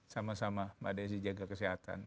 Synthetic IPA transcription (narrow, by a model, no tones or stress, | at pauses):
samasamamadas̬id͡ʒaɡakəsiɦat̪a̰n